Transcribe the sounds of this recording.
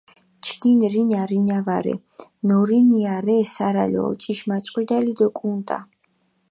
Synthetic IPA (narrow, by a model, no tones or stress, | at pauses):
t͡ʃʰkʰinɾinaɾinavaɾɛ̰nɔɾiniaɾɛsaɾa̰lɔ̰t͡ʃʼiʃmat̪sʼqʼwid̪alid̪ɔkʼunt̪ʼa̰